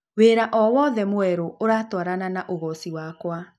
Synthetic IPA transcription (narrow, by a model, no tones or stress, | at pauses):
weːɾaʔɔwɔðɛmoɛɾoʔoɾaːtwaɾananaʔoɣɔsiwakwa